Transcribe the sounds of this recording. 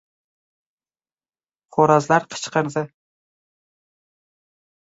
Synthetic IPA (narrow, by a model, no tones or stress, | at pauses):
χoɾɑzlaɾqʰə̥t͡ʃqəɾd̪ɪ